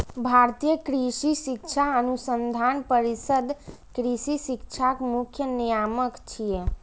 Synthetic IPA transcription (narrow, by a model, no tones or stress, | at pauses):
bʱaɾt̪ijəkɾisisik̚t͡ʃʰaənusənd̪ʱanpəɾisəd̪ʱ | kɾisisik̚t͡ʃʰakmukʰjənijaməkt͡ʃʰije